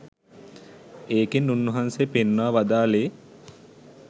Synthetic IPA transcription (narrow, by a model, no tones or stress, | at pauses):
eːkenːunːɐɦansepenːaːʋad̪aːleː